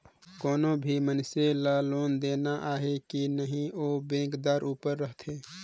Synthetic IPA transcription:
kɔːnõbʱimənselaːloːnd̪eːnaʔaːɦekinəɦĩoːbẽːkd̪aːɾʔuːpəɾːəɦt̪ʰeː

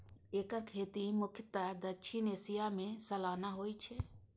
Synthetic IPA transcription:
eːkakʰeːt̪imʊkʰɪt̪ad̪əʃʰineːsijamẽsəlaːnaɦoːit͡ʃʰe

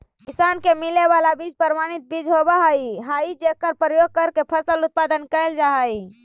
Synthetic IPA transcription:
kisankemileβalabid͡ʒpəɾmanit̪̚bid͡ʒɦobəɦəjɦaid͡ʒekəɾpɾəjoɡ̚kəɾkepʰəsəlut̪̚pad̪ənkəɪld͡ʒaɦəj

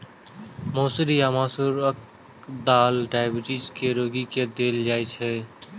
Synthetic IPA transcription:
moːsɾijaːmãːsuːɾək̚ | d̪aːlɖaːɪbɪʈiːd͡ʒkeɾoːɡiked̪eːld͡ʒaːet͡ʃʰeː

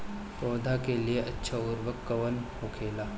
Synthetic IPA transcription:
pɔːd̪ʱakelieʔɐtːʃʰaʊɾʋəkːəʋənhoːkʰeːlaː

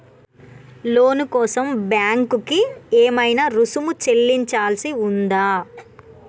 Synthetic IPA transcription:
loːnukɔːsɐmbjaːŋkukieːmɐjnaɾusumut͡ʃe̞lːiɲt͡ʃaːlɐsiund̪aː

